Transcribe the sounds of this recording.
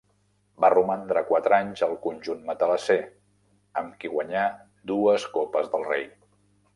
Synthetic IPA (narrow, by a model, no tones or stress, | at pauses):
barumand̪ɾəkwat̪ɾaɲzəlˠkunʲʒunmət̪ələse | əmkiɣwəɲa | d̪uəskɔpəzðəlˠrej